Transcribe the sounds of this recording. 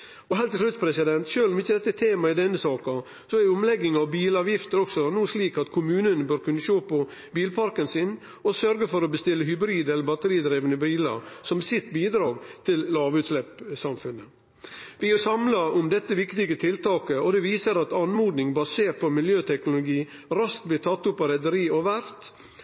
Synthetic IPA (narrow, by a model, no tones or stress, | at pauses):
ɔɦæɪlt̪ʰːɪʉt̪ːpʰɾɛsɪd̪ɛnt̪ʃøːlɔmɪçːəd̪ɛt̪ːəɛt̪ʰeːmɑɪd̪ɛnːəsɑːkɑ | sɔɛɾɔmlɛɡːɪŋɑʋbiːlɑːʋjɪft̪əɾɔksɔnuːsliːkɑt̪kʰʊmʉːnənbøːɾkʉnːəʃoːpɔ | biːlpʰɑɾkənsɪn | ɔsœɾɡəfɔɾɔbəst̪ɪlːəɦʏbɾiːd̪ɛləɾbɑt̪əɾiːd̪ɾeːʋənəbɾiːlɑ̰sɔmsɪt̪biːd̪ɾɑːɡt̪ʰɪllɑːʋʉːt̪slɛpsɑmfʉnə | ʋɪhɑsɑmlɑʊmd̪ɛt̪ːəʋɪkt̪ɪɡət̪ʰɪlt̪ʰɑːkəɔd̪ɛʋiːsəɾɑt̪ɑnmuːd̪nɪŋbɑseːɾpʰɔmɪljøːt̪ʰɛknʊlʊɡiː | ɾɑst̪̚blɪːt̪ʰɑt̪ːʊpɑɾɛd̪əɾiːɔʋæɾt̪